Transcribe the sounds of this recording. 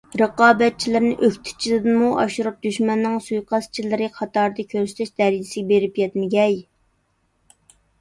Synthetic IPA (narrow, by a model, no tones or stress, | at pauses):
ɾɨqɑːbɛt̪̚t͡ʃʰilɪɾnɪʔøkʲt̪ʰɪ̥t͡ʃʰilɨd̪ɨmuʔɑ̰ʃuɾup̚d̪yʃmɛnːɪŋsujqʰɑst͡ʃʰilɪɾɨqʰɑt̪ɑɾd̪ɨkʲʰøɾsɪ̥t̪ʰɛʃd̪̥ɛɾid͡ʒɪsɪɡʲɛbeɾɪpjɛt̪mɪɡʲɛj